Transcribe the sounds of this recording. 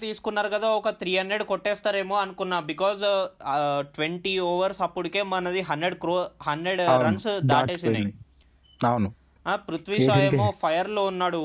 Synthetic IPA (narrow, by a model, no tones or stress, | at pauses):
t̪iːsu̥kunːaːɾukɐd̪aːɔkɐt̪ɾiːɦɐndɾeɖkɔʈːɛːst̪aːɾe̞ːmoːɐnukunːaːbikɔːz | ʈʋeɳʈioːʋɐɾsɐpːuɽike̞ːmɐnɐd̪iɦɐndɾeɖkɾoːhɐnɖɾeɖɾɐnsd̪aːʈeːs̬ie | awnu | aːpɾut̪ʰʋiʃaːeːmoːpʰɐjɐɾloːunːaːɽu